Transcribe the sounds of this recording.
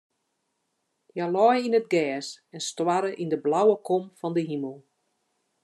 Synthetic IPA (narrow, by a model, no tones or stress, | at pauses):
jalɔjinətɡɛːsɛnstwaɾəʔindəblawəkomfɔndəɦiməlˠ